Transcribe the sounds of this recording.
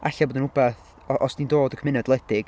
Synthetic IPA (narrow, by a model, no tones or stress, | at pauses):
ʔaɬaboːdənʊbaθ | ɔʔɔsd̥indoːdəkʰmɪnɔdlˠɛd̥ɪɡ̥